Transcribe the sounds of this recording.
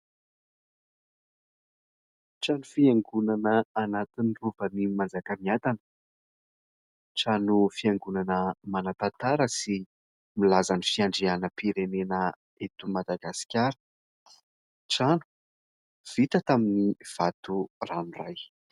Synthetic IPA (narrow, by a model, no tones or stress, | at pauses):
ʈ͡ʂanufiaŋɡunanəːnat̪iniruvənimand͡zakəmiat̪anə̥ | ʈ͡ʂanufiaŋɡunanəmanat̪at̪aɾəsi | milazanifiaɳɖ͡ʐianəpiɾenenə | et̪umad̪aɡasi̥kʲaɾə̥ | ʈ͡ʂanu̥ | v̥it̪ət̪aminiv̥at̪uraniraj